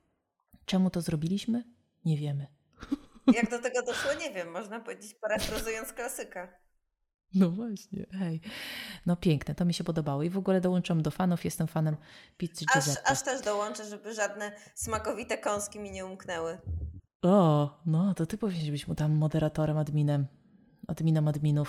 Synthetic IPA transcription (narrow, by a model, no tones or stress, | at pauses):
t͡ʂɛmut̪ɔzɾɔbʲilʲiɕmɘ | ɲɛvʲjɛmɘ | jaɡ̚d̪ɔt̪ɛɡɔd̪ɔʂwɔɲɛvʲjɛmːɔʐnapɔvʲed͡ʑet͡ɕpaɾafɾɔzujɔnt̪sklasɘka | nɔvwaɕɲɛ̰ɛjnɔpʲjɛŋknɛt̪ɔmʲiɕɛpɔd̪ɔbawɔivɔɡulɛd̪ɔwɔnt͡ʂɨwamd̪ɔfanufjɛst̪ɛmfanɛmpʲit̪ːaɛɾaʂt̪ɛʐd̪ɔwɔnt͡ʂɛʐɛbɘʐad̪nɛsmakɔvʲit̪ɛkɔ̃w̃skʲimʲiɲɛumknɛwɘ | ɔnɔt̪ɔt̪ɘpɔvʲeɲɛʐbɘɕmut̪amːɔd̪ɛɾat̪ɔɾɛmɔd̪mʲinɛm | ɔd̪mʲinɔmɔd̪mʲinuf